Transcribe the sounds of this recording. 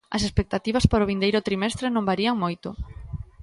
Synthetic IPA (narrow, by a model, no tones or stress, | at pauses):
ɐ̰sespek̚t̪at̪iβ̞ɐspaɾoβ̞ind̪ejɾʊt̪ɾimɛst̪ɾenõmbaɾiɐŋmojt̪ʊ